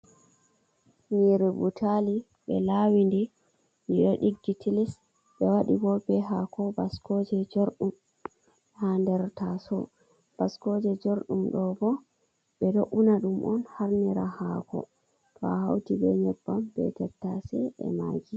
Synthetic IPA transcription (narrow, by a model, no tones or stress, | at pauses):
niɾɛbutʰali | ɓɛlawindi | niɗɔɗiɡːitʰilis | ɓɛwaɗibɔbɛɦakʰɔbaskɔd͡ʒɛd͡ʒoɾɗum | handɛɾtasɔ | b̥askɔd͡ʒɛd͡ʒoɾɗumɗɔbɔ | ɓɛdoʔunaɗumʔɔnhaɾniɾahaːkɔ̰ | tʰɔaha̰wtibɛ̰ɲɛbːambɛ̰tɛtːasɛʔɛ̰ma̰d͡ʒi